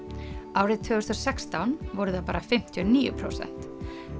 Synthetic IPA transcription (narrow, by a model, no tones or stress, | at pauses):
awrɪðt̪ʰvʏːɣʏst̪ɾɔsɛkst̪awnvɔɾʏðapaːɾafɪm̥t̪ʰjɔniːjʏ̰pʰɾo̰ːwsɛ̰n̥t̪